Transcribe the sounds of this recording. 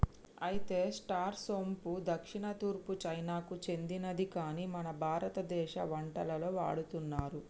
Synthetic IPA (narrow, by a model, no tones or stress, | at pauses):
ɐjit̪e̞ːsʈaːɾsoːmpud̪ɐkʂiɳɐt̪uːɾput͡ʃɐjnaːkut͡ʃe̞nd̪inɐd̪ikaːniːmɐnɐbʱaːɾɐt̪ɐd̪ɛːʃɐ̰ʋɐɳʈɐlɐlo̞ːʋa̰ːɽut̪unːaːɾu